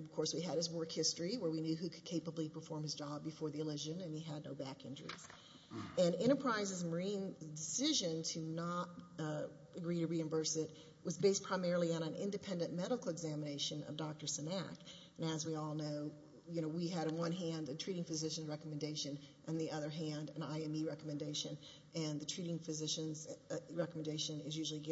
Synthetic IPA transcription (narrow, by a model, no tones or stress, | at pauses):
ʌv̥kʰɔɹswiɨɾ̚ɨzwɜ˞khɪstɹ̥iwə˞winjʉɦʉkʰɨd̥̚kʰeɪpəblipʰə˞fɔɹmɨzd͡ʒɑbɨfɔɹðiɨlʉʒɨ̃nɨ̃niɨdⁿnoʊbækɪ̰̃nd͡ʒə̰˞ḭz̥ | ɨ̃nɪ̃ɾ̃ə˞pʰɹ̥aɪzɨzmə˞ĩndɨsɪʒɨ̃ntʰɨnəɾ | ɨɡɹiɾɨɹiɨ̃ɱbɜ˞sɪt̚ | wʌzbeɪspʰɹ̥aɪmɛɹl̩ˠiə̃ñɨ̃nʔɪ̰̃ndɨpʰɛ̃ndɨ̃nmɛɾəkl̩ˠəɡzæməneɪʃɨ̃nʌ̰vdɑk̚tə˞sɨnæ̰k | nɨzwiɔlˠnoʊ | jɨnoʊwiɨɾɨ̃n̩wʌ̃nɦæ̃ndɨtʰɹ̥iɾɪ̃ŋfɨzɪʃɨ̃nzɹɛkəmɨ̃ndeɪʃɨ̃nʔɨ̃nðiʔʌðə˞ɦæ̃ndɨ̃na̰ɪɛ̃miɹɛkəmɨ̃ndeɪʃɨ̃n | ʔɨ̃nðɨtʰɹ̥iɾɪ̃ŋfɨzɪʃɨ̃nzɹɛkm̃ndeɪʃɨ̃nɪzjʉʒl̩ˠiɡ